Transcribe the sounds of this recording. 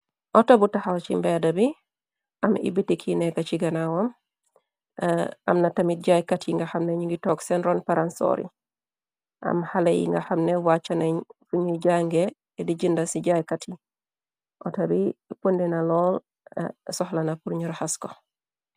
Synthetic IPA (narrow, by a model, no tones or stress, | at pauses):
ʔɔtabutaxawt͡ʃḭmbedabi | ʔamḭbitːikʰinekat͡ʃiɡanawom | a̰mnatamit̚ɟajkatiŋɡaxamneɲiŋɡitoksenɾonpaɾanso̰ɾḭ | ʔa̰mhalejḭŋɡa̰xamnewat͡ʃːaneɲfuɲiɟaŋɡeː | diɟindasiɟajkatʰi | ʔotabipundinalɔl | sɔhlanapuɾɲuɾhasko